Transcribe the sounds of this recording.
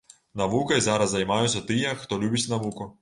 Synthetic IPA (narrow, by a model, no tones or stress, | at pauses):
nɐʋukɐjzɑɾɐzzɐjmɑjʊt͡sʲːɐt̪ɪjɛxt̪ɔlʲubʲɐt͡sʲnɐʋukʊ